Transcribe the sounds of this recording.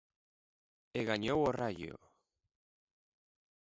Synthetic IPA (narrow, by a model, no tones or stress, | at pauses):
eɣaɲoworaʎo̰